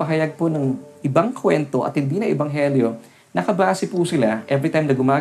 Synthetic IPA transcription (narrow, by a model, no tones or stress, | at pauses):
pɐɦɐjɐɡ̚ponɐŋʔɪbaŋkʰwɛnt̪o̞ʔɐ̰t̪̚hɪnd̪iːnɐʔɛbɐŋɦɛljo̞ | nɐkɐbaːsɪpusɪlaʔɛbɾɪt̪ajmnɐɡʊmaː